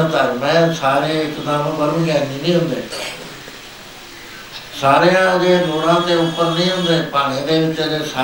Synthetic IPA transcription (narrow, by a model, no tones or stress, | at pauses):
t̪aːɾʊnaːẽsaːɾeɪt̪ɪd̪aːmõɡɐɾmɡãːnd̪ĩnĩːɦʊ̃ːnd̪eː | saːɾejãʊdeːdʱoːɽãt̪eʊpəɾnĩːɦʊ̃ːnd̪eːpaːɽ̃ĩd̪eːʋɪt͡ʃd̪esaː